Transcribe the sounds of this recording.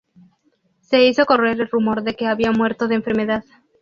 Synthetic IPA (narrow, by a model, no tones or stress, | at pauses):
se̞iso̞ko̞re̞ɾelrumo̞ɾðe̞ke̞aβiamweɾt̪o̞ðeɱfe̞ɾme̞ðað